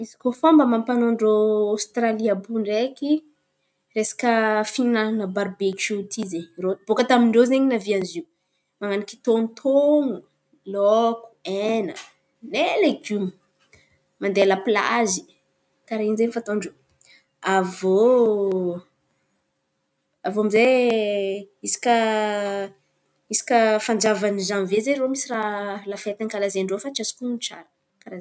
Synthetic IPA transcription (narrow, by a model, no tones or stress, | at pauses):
izi̥kofombəmampanoɳɖ͡ʐoast̪raliabuɳɖ͡ʐeki | resḁkəfinanəbaɾbekut̪ʰizeɲrot̪b̥okət̪amiɳɖ͡ʐezeɲinavianziu | maŋaniki̥t̪onut̪ʰoŋu | lɔku̥enə | neleɡumi̥ | mand̪ealapla̰zi̥ | t̪aɾainzenfat̪oɳɖ͡ʐu | avo | avomize | isi̥kə | isi̥kʲəfand͡ʒavanizanvezeromisiralafet̪aŋkalazeɳɖ͡ʐofaʈ͡ʂasi̥kunt͡ʃa̰ɾə | kaɾaz